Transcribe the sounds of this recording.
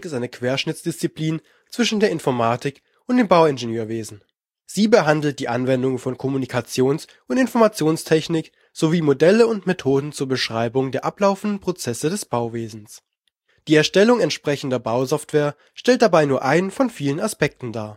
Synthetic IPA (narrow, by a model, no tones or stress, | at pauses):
kɪstʔaɪnəkʰv̥eːɐʃnɪt͡sd̥ɪst͡sipliːn | t͡sv̥ɪʃn̩deːɐɪnfɔɐmaːtɪk | ʔʊnt̚d̥eːmbaʊɪnʒenøːɐveːzn̩ | z̥iːbəɦandl̩t̚d̥iːʔanvɛndʊŋfɔnkʰɔmunikʰat͡sjoːns | ʔʊntɪnfɔɐmat͡sjoːnstʰɛçnɪk | z̥oviːmodɛləʊntmetʰoːdn̩t͡suːɐbəʃʁ̥aɪbʊŋdeːɐʔaplaʊfn̩dn̩pʁ̥ot͡sɛsədɛsb̥aʊveːzn̩s | d̥iːɛɐʃtɛlʊŋɛntʃpʁ̥ɛçn̩dɐbaʊzɔftv̥eːɐ | ʃtɛlt̚d̥abaɪnuːɐʔaɪnəfɔnfiːlənaspɛk̚tn̩daː